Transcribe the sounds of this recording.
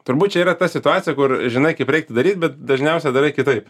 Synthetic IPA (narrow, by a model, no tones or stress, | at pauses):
t̪ʊɾbuːt̪̚ʲt͡ʃʲɛiːɾɐt̪ɐsʲɪt̪ʊɑːt͡sʲɪjɛkʊrʒʲɪnɐɪkɐɪpɾʲɛɪk̚t̪ʊd̪ɐɾʲiːt̪̚ʲbʲɛt̪̚d̪ɐʒʲnʲɛʊsʲɛd̪ɐɾɐɪkʲɪt̪ɐɪp